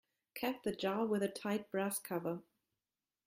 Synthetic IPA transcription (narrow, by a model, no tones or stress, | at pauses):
kʰɛp̚ðɨd͡ʒɑlwɨðɨtʰaɪt̚b̥ɹæskʰʌvə˞